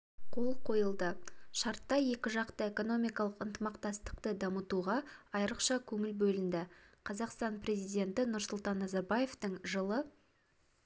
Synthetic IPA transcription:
qʰo̞lˠqʰo̞jəlˠd̪əʃɑɾt̪ːɑje̞kʲɪʒɑqt̪əeko̞no̞mijkɑlˠəqənt̪əmɑqt̪ɑst̪ə̥qt̪əd̪ɑmət̪uʁɑɑjɾəqʃɑkʲʰɵŋɪlbɵlɪnd̪ɪqʰɑzɑqst̪ɑnprʲe̞zijd̪ʲe̞nt̪ɪnʊɾsʊlˠt̪ɑnːɑzɑɾbaje̞ft̪əɴʒəlˠə

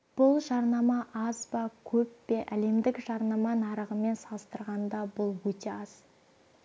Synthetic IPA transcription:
b̥ʊlˠʒɑɾnɑmɑʔɑzbɑkʲʰɵpːe̞ʔæle̞md̪ɪkʒ̥ɑɾnɑmɑnɑɾəʁəme̞nsɑlˠəst̪əɾʁɑnd̪ɑbʊlˠwɵt̪e̞ɑz̥

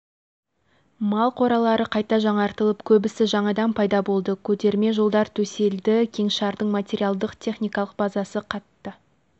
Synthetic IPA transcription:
mɑlˠqʰo̞ɾɑlˠɑɾəqʰɑjt̪ɑʒɑɴɑɾt̪əlˠəpkʲʰɵbɪsɪʒɑɴɑd̪ɑnpʰɑjd̪ɑbo̞lˠd̪əkʲʰɵt̪e̞ɾme̞ʒolˠd̪ɑɾt̪ʰɵse̞ld̪ɪkʲʰe̞ŋʃɑɾd̪əɴmat̪ʲe̞ɾʲijalˠd̪əqt̪ʰe̞χnijkɑlˠəq̚bɑzɑsəqʰɑt̪ːə

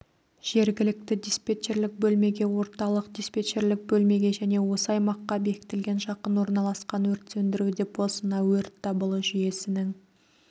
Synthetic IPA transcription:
ʒ̥e̞ɾɡʲɪlɪk̚t̪ɪd̪ʲispʲe̞t͡ʃe̞ɾlɪk̚bɵlme̞ɡʲe̞wo̞ɾt̪ɑlˠəqd̪ʲispʲe̞t͡ʃe̞ɾlɪk̚bɵlme̞ɡʲe̞ʒæne̞wo̞səɑjmɑqːɑbe̞kʲɪ̥t̪ɪlɡʲe̞nʒɑqənwo̞ɾnɑlˠɑsqɑnwɵɾt̪sɵnd̪ɪɾud̪e̞pwo̞sənɑwɵɾt̪ːɑbəlˠəʒʏje̞sɪnɪŋ

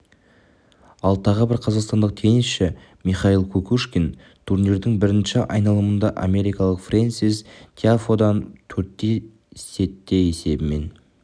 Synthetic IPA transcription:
ɑlˠt̪ʰɑʁəbɪɾqʰɑzɑqst̪ɑnd̪əq̚t̪ʰe̞jɪnɪsʃɪ | miχɑilˠkʰɵkuʃkʲen | t̪ʰuɾneɾd̪ɪŋbɪɾɪnʃɪʔɑ̰jnɑlˠəmənd̪ɑʔa̰me̞ɾijkɑlˠəqfrensizt̪ʰeafod̪ɑnt̪ʰɵɾt̪ːe̞ | se̞t̪ːe̞jese̞bɪme̞̰n

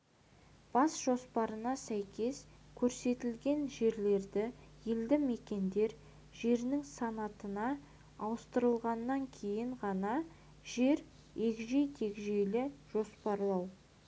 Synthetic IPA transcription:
b̥ɑsʒo̞spɑɾənɑsæjkʲe̞s | kʲʰɵɾse̞t̪ɪlɡʲe̞nʒe̞ɾle̞ɾd̪ɪjeld̪ɪme̞kʲe̞nd̪e̞ɾ | ʒe̞ɾnɪŋsɑnɑt̪ənɑː | wəst̪əɾəlˠʁɑnːɑŋkʲʰe̞jɪɴʁɑnɑ | ʒe̞ɾ | ekʒe̞jt̪ʰe̞kʒejlɪʒ̥o̞spɑɾlˠɑw

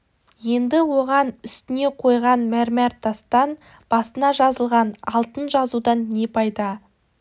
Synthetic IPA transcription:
je̞nd̪ɪwo̞ʁɑnʏst̪ɪne̞qʰo̞jʁɑnmæɾmæɾt̪ʰɑst̪ɑn | b̥ɑsənɑʒɑzəlˠʁɑnɑ̰lˠt̪ənʒɑzud̪ɑnːe̞pʰɑjd̪ɑ

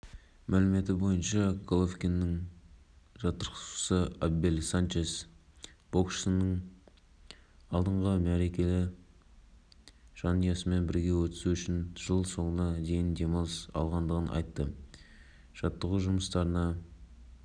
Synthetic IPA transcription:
mʔælɪme̞t̪ɪbo̞jənʃɑɡʰolˠofkʲenːɪŋ | ʒɑt̪ːəɾqsu̥səabbe̞lʲsant͡ʃesb̥o̞kʃənːəɴ | ɑlˠd̪əɴʁəmæɾe̞kʲe̞lɪ | ʒ̥ɑnijɑsəme̞nbɪɾɡʲe̞wɵt̪ɪ̥suʏʃɪnʒ̥əlˠso̞ɴənɑd̪e̞jɪnd̪e̞mɑsɑ̰lˠʁɑnd̪əʁənʔɑ̰jt̪ːə | ʒ̥ɑt̪ːəʁuʒʊməst̪ɑɾənɑ

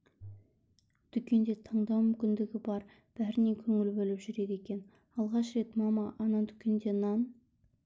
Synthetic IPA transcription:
d̪̥ʏkʲe̞nd̪e̞t̪ʰɑɴd̪ɑwmʏmkʲɪnd̪ɪɡʲɪbɑɾ | b̥æɾɪne̞kʲʰɵŋɪlbɵlɪpʒʏɾe̞d̪e̞kʲe̞n | ɑlˠʁɑʃɾe̞t̪mɑmɑʔɑnɑd̪ʏkʲe̞nd̪e̞nɑn

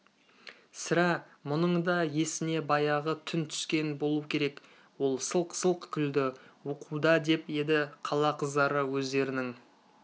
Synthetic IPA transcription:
sɪɾɑ | mʊnəɴd̪ɑje̞sɪne̞bɑjɑʁət̪ʰʏnt̪ʰʏ̥skʲe̞nbo̞lˠukʲʰe̞ɾe̞k | wo̞lˠsəlˠqsəlˠqkʲʰʏld̪ɪwuqʰud̪ɑd̪e̞pje̞d̪ɪqʰɑlˠɑqʰəzd̪ɑɾəwɵzd̪e̞ɾɪnɪŋ

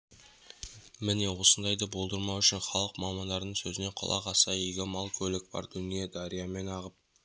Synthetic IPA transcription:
mɪne̞wo̞sənd̪ɑjd̪əbo̞lˠd̪əɾmɑwʏʃɪnχɑlˠəqmɑmɑnd̪ɑɾnəɴsɵzɪne̞qʰʊ̰lˠɑ̰qɑsɑijɡʲɪmɑlˠkʲʰɵlɪk̚bɑ̰ɾd̪ʏnijed̪ɑɾijɑme̞nɑʁəp̚

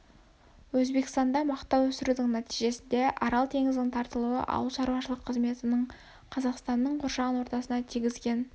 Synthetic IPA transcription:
wɵzbe̞kɪst̪ɑnd̪ɑmɑqt̪ɑwɵsɪɾud̪ɪŋnæt̪ijʒe̞sɪnd̪e̞ʔɑɾɑlˠt̪ʰe̞ŋɪzd̪ɪŋt̪ʰɑɾt̪əlˠuə̰ʔɑ̰wəlˠʃɑɾuɑʃəlˠəqʰːəzme̞t̪ɪnəɴ | qʰɑzɑqst̪ɑnːəɴqʰo̞ɾʃɑʁənwo̞ɾt̪ɑsənɑt̪ʰijɡʲɪzɡʲe̞n

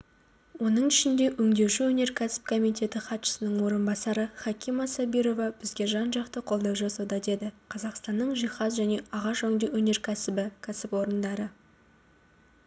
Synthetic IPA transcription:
wo̞nəɴɪʃɪnd̪e̞ʔɵŋd̪e̞wʃuwɵne̞ɾkʲʰæsɪ̥p̚kʰo̞mijt̪ʰʲe̞t̪ɪχɑt̪ʃə̥sənəɴwo̞ɾənbɑsɑɾəχɑkʲʰimɑsɑbiɾo̞vɑbɪzɡʲe̞ʒɑnʒɑqt̪əqʰo̞lˠd̪ɑwʒɑsɑwd̪ɑd̪e̞d̪ɪqʰɑzɑqst̪ɑnːəɴʒijχɑzʒæne̞ʔɑʁɑʃɵŋd̪ewɵne̞ɾkʲʰæsɪbɪkʲʰæsɪpwo̞ɾənd̪ɑɾə

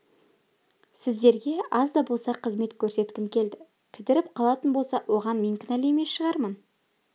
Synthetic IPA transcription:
sɪzd̪e̞ɾɡʲe̞ɑzd̪ɑbo̞lˠsɑqʰəzme̞t̪kʲʰɵɾse̞t̪kʲɪmkʲʰe̞ld̪ɪ | pʲʰɪt̪ɪɾɪp̚qʰɑlˠɑt̪ənbo̞lˠsɑwʔo̞ʁɑnmeŋkʲɪnælemesʃəʁɑɾmən

